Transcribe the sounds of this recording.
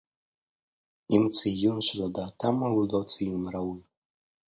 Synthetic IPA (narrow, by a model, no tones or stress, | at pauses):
imt͡sʰɨjunʃladaːtʰamawudowt͡sʰɨjunrawi